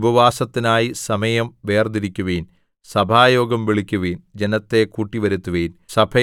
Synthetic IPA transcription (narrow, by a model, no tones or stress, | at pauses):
bʱɐʋaːsɐt̪ːinaːjisɐmɐjɐmʋe̞ːrd̪iɾikʲːuʋiːn | sɐbʱaːjo̞ːɡɐmʋiɭikʲːuʋiːnd͡ʑenɐt̪ːe̞kuːʈːiʋɐɾut̪ːuʋiːnsɐbʱɐ